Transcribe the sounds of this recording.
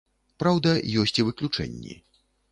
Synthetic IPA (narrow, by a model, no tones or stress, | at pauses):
pɾawd̪ɐjɔsʲt͡sʲivɨklʲut͡ʂɛ̰nʲːḭ